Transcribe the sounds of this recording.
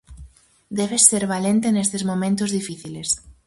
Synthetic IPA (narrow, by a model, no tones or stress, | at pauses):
d̪ɛβeseɾβalent̪enest̪ezmomẽnt̪ʊzðifiθiles